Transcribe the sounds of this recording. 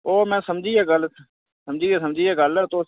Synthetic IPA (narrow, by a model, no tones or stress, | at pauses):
oːmɛ̃ːsəmd͡ʒiːɛːɡəl | səmd͡ʒiːeːs̬əmd͡ʒiːɛːɡəlt̪o